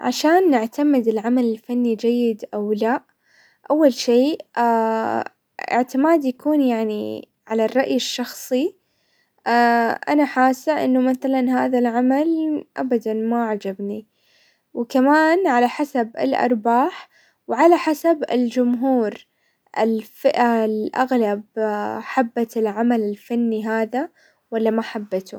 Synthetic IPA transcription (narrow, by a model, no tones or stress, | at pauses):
ʕa̰ʃaːnːɪʕt̪amɪd̪ɪlʕamalɪlfanːid͡ʒajːɪd̪ʔawlaʔ | ʔawːalʃeːʔa | ɪ̰ʕt̪ɪmaːd̪jakuːnjaʕnḭ | ʕalarˤːɑʔjɪʃːɑxsˤi | aʔa̰naħaːsːaʔɪ̰nːʊmaθalanɦaːðalʕamalʔa̰bad̪anmaʕad͡ʒabni | wkamaːnʕalaħasabɪ̰lʔɑ̰ɾˤbaːħ | wʕalaħasabɪ̰ld͡ʒʊmɦuːɾ | ʔɪ̰lfɪʔalʔa̰ɣlabħabːat̪ɪlʕamalɪlfanːiɦaːða | walːamaħabːat̪ʊ̰